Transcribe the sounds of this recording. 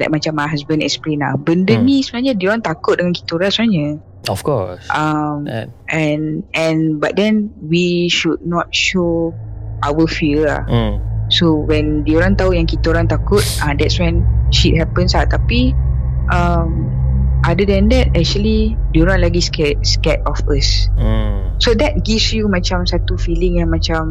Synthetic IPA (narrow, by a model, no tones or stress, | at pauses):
la̰jk̚mat͡ʃamaɦasbə̃nɛ̰kspɾina̰hbəndənĩsəbənaɲadioɾãŋt̪akʊt̪̚dəŋanki̥t̪uɾansəbənaɲə | ɔfkɔ̰sʔamʔɛ̃nɛ̃nba̰t̚dɛ̃nwiʃud̚nɔt̚ʃo | ʔawəfiəa̰hsowɛ̃ndeoɾãŋt̪aujãŋkit̪aoɾãŋt̪akʊt̚ãdɛtswɛ̃nʃit̚hɛpə̃nslat̪api | ʔəm | ʔadədɛ̃ndɛt̚ɛk̚t͡ʃuəli | dunɔ̃ʔlaɡiskɛt̚skɛt̚ɔfəs̩ | sodɛt̚ɡifsjumãt͡ʃamsat̪ufilɪ̃ŋjãŋmãt͡ʃãm